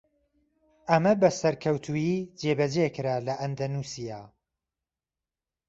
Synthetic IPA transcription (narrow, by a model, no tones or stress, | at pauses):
ʔɐmɐbɐsɐɾkʰɐwt̪ʰujiːd͡ʒebɐd͡ʒekɨɾaːlɐʔɐnd̪ɐnusijaː